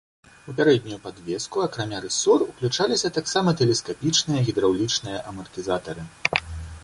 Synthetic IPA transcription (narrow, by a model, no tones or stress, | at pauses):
upʲaɾɛd̪̚ʲnʲujupad̪vʲɛskuɐkɾamʲaɾɛsɔruklʲut͡ʂalʲisʲɐt̪aksamɐt̪ɛlʲɛskapʲit͡ʂnɨjɐɣʲid̪ɾawlʲit͡ʂnɨjɐʔɐmɐrt̪ʲɨzat̪ɐɾɨ